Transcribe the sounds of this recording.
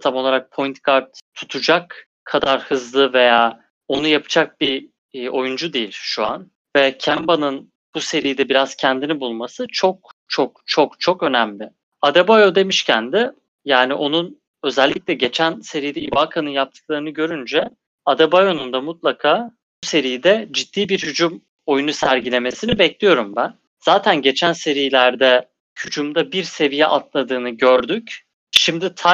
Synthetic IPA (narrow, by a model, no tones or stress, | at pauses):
t̪ʰamo̞lˠaɾak̚pʰo̞jnt̪kʰaɾt̪ʰːu̥t̪ʰud͡ʒak | kʰːad̪aɾhɯzlˠɯve̞jaː | o̞nujapʰɯ̥d͡ʒak̚bi | o̞jund͡ʒud̪ijilʲʃua̰n | vɛcʰæmbanɯn | b̥use̞ɾijd̪ɛbiɾaz̥cʰænd̪inibulˠmasɯt͡ʃʰo̞k̚t͡ʃʰokt͡ʃʰo̞kt͡ʃʰo̞kø̞næmlʲɪ | ad̪ɛbajod̪e̞miʃcʰænd̪ɪ | jaːniʔo̞nun | ø̞zɛlʲːic̚ʲlʲɛɟe̞t͡ʃʰænse̞ɾijd̪ɛibakʰanɯnjap̚t̪ʰɯ̥k̚lˠaɾɯnɯɟø̞ɾynd͡ʒɛ | ad̪abajo̞nund̪amut̪lˠakʰaː | buse̞ɾijid̪ɛd͡ʒid̪̥ːiːbiɾhyd͡ʒum | o̞junusæɾɟilʲe̞me̞sinibɛclʲijo̞ɾumbæn | z̥aːt̪ʰænɟe̞t͡ʃʰænse̞ɾijlʲæɾd̪ɛ | cʰyt͡ʃʰymd̪abiɾse̞vijɛʔat̪lˠad̪ɯːnɯɟøɾd̪yc | ʃimd̪it̪ʰa